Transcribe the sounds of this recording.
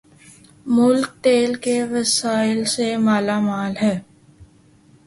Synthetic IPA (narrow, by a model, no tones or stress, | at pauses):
mʊlk̚t̪eːlkeʋɐsaːɪlsemaːlamaːlɦɛː